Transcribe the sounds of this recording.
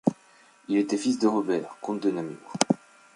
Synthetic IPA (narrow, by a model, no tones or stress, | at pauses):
ilet̪ɛfisd̪əʁɔbɛːʁkɔ̃t̪̚d̪ənamy̰